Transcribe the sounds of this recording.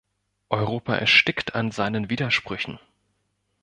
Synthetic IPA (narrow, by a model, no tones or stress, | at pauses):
ʔɔʏʁoːpaʔɛ̰ɐʃtɪktʰanzaɪnənviːdɐʃpʁ̥ʏçn̩